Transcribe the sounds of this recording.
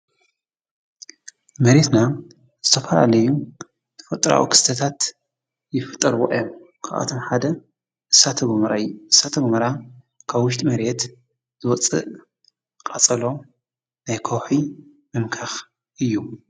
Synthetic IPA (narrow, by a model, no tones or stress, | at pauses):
mɐɾe̞t̪na | z̥ɨt̪ʰɐfɐla̰lɐjːu | t̪ʰɐ̥fɐt̪ʼːɾa̰wḭkʰɨ̥st̪ʰɐt̪ʰat̪ | jɪfɨt̪ʼːɐɾwo̰ʔɨjːom | kʰaʔa̰t̪ʰo̞mħad̪ɐ | ʔɨsːat̪ʰɐɡmɐɾaʔɨsːat̪ʰɐɡmɐɾa | kʰaβwːʊʃt̪ʼimɐɾe̞t̪ | z̥ɨwɔt͡sʼɨ̰ʔ | kʼɐt͡sʼɐlo̞ | najkʰɐwħi | mɨmkʰax | ʔɨjːu